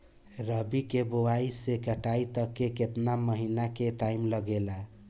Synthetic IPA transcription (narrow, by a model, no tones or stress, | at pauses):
ɾəbikebowaisekəʈait̪əkːeket̪naməɦinakeʈaimləɡela